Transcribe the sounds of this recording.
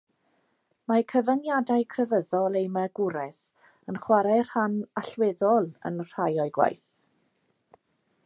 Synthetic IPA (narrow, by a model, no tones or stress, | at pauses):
makʰəvənjadajkʰrəvəðɔlˠejmaɡ̥ʊɾɛs | ənχwaɾar̥hanaɬwɛðɔlˠə̰nr̥ajɔɨɡwa̰jθ